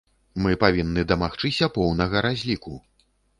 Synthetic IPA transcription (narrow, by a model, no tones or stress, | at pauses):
mɨpavʲinːɨd̪ɐmaxt͡ʂɨsʲɐpɔwnɐɣɐɾazʲlʲiku